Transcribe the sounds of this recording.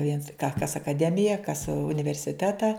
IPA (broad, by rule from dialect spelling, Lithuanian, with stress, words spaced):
ʋʲiɛns kɐ kɐs ɐkɐˈdʲæːmʲɪjɛ kɐs ʊnʲɪʋʲɛrʲsʲɪˈtʲæːtɐ